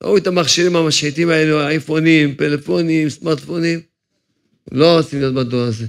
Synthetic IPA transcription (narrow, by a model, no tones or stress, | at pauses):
uit̪amaχʃiɾimamaʃit̪imaeluaifonimpelefonimsmaʁt̪fonim | loʁot͡simlijot̪̚bad̪oɾaze